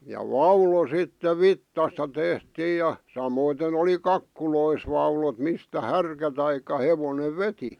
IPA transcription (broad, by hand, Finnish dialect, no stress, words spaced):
jɑ ʋɑulo sitːe ʋitːɑstɑ tehtiːj jɑ sɑmoiten oli kɑkːulois ʋɑulot mistæ hærkæ tɑikˑɑ heʋoneʋ ʋeti